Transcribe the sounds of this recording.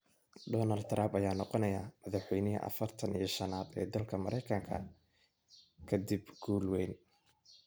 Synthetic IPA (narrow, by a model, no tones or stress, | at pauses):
ɖɔːnɐld̪̚t̪rambɐjaːnɔqɔnɐjaːmɐðɑħwɛjnɪɦɐ̰ʔɐ̰fɐrt̪ʰɐnijɞʃɐnaːd̪ɛ̰ːd̪ɐlkʰɐmɐɾɛjkʰɐŋkʰɐ̰ | kʰɐd̪ibɡ̥uːlwɛjn